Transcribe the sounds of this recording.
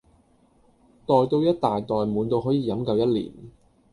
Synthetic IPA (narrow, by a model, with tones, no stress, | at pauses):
t̪ɔː˨jt̪o˧wjɐ˥t̚t̪aː˨jt̪ɔː˨jmuː˨˥nt̪o˧wɦɔː˨˥jiː˨˩jɐ˨˥mkɐ˧wjɐ˥t̚lḭː˨˩n